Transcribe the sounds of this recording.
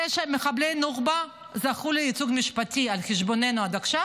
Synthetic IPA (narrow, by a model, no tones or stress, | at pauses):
eʃmeχablenuʁba | zaχuleit͡suɡmiʃpatialχeʃbonenuad̪akʃa